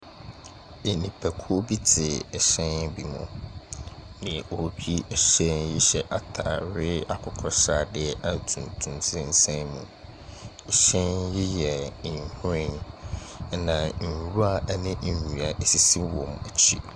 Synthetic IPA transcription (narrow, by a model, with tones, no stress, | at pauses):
e˨nĩ˨pʰæ˨kʰu˦o˦bi˦tʰɪ˨ɛ˨ɕɛ̃˦n˦bi˨mʊ̰̃˨ | nɪ̃˨ɔ˨ɾkᶣi˦ɛ˨ɕɛ˦njɪ˦ɕɛ˨ʔa˨tʰa˨ɾɪ˦a˨kʰʊ˨kʰɾɔ˦saː˦˨dɪ˦ɛ˦ʔa˨tʰũ˨n˨tʰũ˨nsʰɪ̃˦n̩˨sɛ̃˦nmũ˨ | ɛ˨ɕɛ̃˦njɪ˦jɛ˨hʊ˦ɾɪ̃˦˨n | nã˨n̩˨ɾu˦a˦˨ʔnɪ̃˦n̩˨ɲu˨a˨ʔe˨si˦si˦wɔ̃˨mɛ˨t͡ɕʰḭ˦